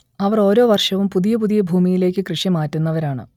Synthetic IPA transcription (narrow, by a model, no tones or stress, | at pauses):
ɐʋɐro̞ːɾo̞ːʋɐrʂɐʋumpuðijɐp̬uðijɐbʱuːmijile̞ːkʲːɨkrɨʂjɐmaːtːunːɐʋɐɾaːɳɨ̰